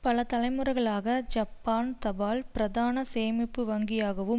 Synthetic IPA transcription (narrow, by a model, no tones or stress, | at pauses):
pɐlɐt̪ɐlɐɪmɯrɐɪɣɐɭaːɣɐd͡ʒɐpːaːnt̪ɐbaːlpɪɾɐðaːnɐseːmɪpːɯʋɐŋɡɪjaːɣɐʋɯm